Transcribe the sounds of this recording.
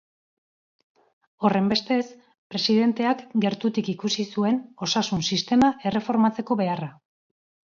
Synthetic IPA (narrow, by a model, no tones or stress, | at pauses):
o̞re̞mbe̞st̪e̞s | pɾe̞siðe̞nt̪e̞akɡe̞ɾt̪ut̪ikikusisue̞no̞sasunsist̪e̞maʔe̞re̞fo̞ɾmat͡se̞ko̞βe̞ara